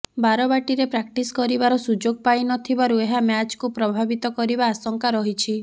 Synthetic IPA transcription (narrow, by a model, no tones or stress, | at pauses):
baɾɔbaʈiɾepɾak̚ʈiskɔɾibaɾɔsud͡ʒoɡpajnɔt̪ʰibaɾueɦamjat͡ʃkupɾɔbʱabit̪ɔkɔɾibaːsɔŋkaɾɔɦit͡ʃʰi